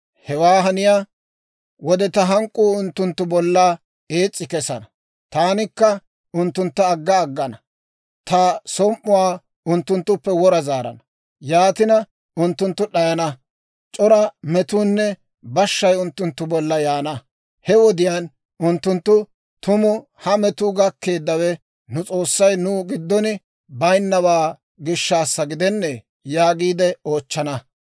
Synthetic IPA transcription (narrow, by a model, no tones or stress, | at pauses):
hɛwaːɦɐnɪjaː | wɔd̪ɛt̪ɐɦɐŋkʼːuːʊnt̪ːʊnt̪ːʊbɔlːaː | e̞ːt͡sʼːɪkɛsɐnɐ | t̪aːnɪkːɐ | ʊnt̪ːʊnt̪ːɐːɡːɐːɡːɐnɐ | t̪ɐsɔmʔːʊwaː | ʊnt̪ːʊnt̪ːʊpːɛwɔɾɐzaːɾɐ̰nɐ | jaːt̪ɪnɐ | ʊnt̪ːʊnt̪ːʊɗɐjɐnɐ | t͡ʃʼɔɾɐmɛt̪uːnːɛ | bɐʃːɐjʊnt̪ːʊnt̪ːʊbɔlːɐjaːnɐ | hɛwɔd̪ɪjan | ʊnt̪ːʊnt̪ːʊ | t̪ʊmʊ | hɐmɛt̪ʊɡɐkːe̞ːd̪ːɐwɛ | nʊt͡sʼo̞ːsːɐjnuːɡɪd̪ːɔnɪ | bɐjnːɐwaː | ɡɪʃːaːsːɐɡɪd̪ɛnːɛ | jaːɡiːd̪ɛo̞ːt͡ʃːɐnɐ